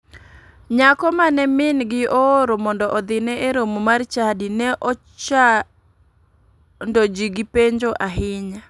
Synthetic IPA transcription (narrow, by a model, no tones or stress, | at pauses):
ɲakɔmanɛmɪnɡɪʔɔːɾomɔndɔʔɔd̪ɪnɛeɾomomart͡ʃadinɛʔɔ | t͡ʃa | ndod͡ʒiɡipeɲd͡ʒoʔaɦɪɲa